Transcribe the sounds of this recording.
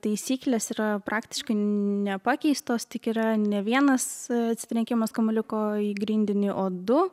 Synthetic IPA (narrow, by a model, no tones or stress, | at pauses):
t̪ɐɪsʲiːklʲeːsiːɾɐpʔɑːkt̪ʲɪ̥ʃkɐɪnʲɛpɑkʲɛɪst̪oːst̪ʲɪkiːɾɐnʲɛʋʲiɛnɐsɐt̪ʲsʲɪ̥t̪ɾʲɛŋʲkʲɪmɐskɐmʊlʲɪkoːiːɡɾʲiːnʲd̪ʲɪnʲɪʔoːd̪ʊ